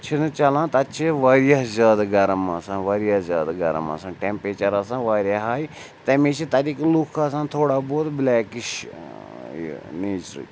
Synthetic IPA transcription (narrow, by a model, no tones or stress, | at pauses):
t͡ʃʰinut͡ʃɐlãːt̪ɐt͡ʃʰiʋaːɾijaɦzʲaːd̪ɡɐɾmasãːʋaːɾjazʲaːd̪aɡɐɾə̰ma̰sãːʈempɾeːt͡ʃɐɾasãːʋaːɾjaɦaːj | t̪ɐmẽt͡ʃʰit̪ɐɾiːklukʰasãːnt̪ʰoːɽaːboːt̪blɛːkɪʃ | neːt͡ʃɾḭ